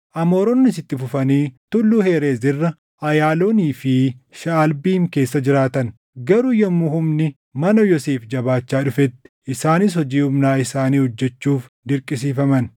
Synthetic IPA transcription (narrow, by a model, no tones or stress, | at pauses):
ʔɐmoːɾɔnːɪsɪt̪ːɪfʊfɐniːt̪ʊlːuːheːɾeːzɪrːɐ | ɐjaːlo̞ːniːfɪʃaːlbiːŋke̞ːsːɐd͡ʒɪɾaːt̪ɐn | ɡɐɾʊjɐmːʊhʊmnɪ | mɐnɐjɔseːfd͡ʒɐbaːt͡ʃːaːᶑʊfɛt̪ːɪ̥ʔɪsaːnɪs̬hɔd͡ʒiːhʊmnaːɪsaːniːhɔd͡ʒːɛt͡ʃːuːfd̪ɪɾkʼɪs̬iːfɐmɐn